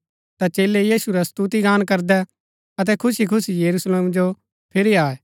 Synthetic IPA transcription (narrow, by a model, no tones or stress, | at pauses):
t̪at͡ʃeːlejiːsuɾast̪uːt̪iɡaːnkɐɾd̪ɛ | ɐt̪̬ɛkʰʊsikʰʊsijɐɾusleːmd͡ʒo | pʰɪɾiaːɛ